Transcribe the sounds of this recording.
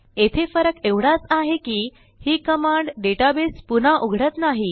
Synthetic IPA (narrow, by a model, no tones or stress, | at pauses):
et̪ʰefəɾəkeʋɽat͡saɦekiː | hiːkəmaɳɖɖeʈabispun̤aʔuɡʱɽət̪naɦi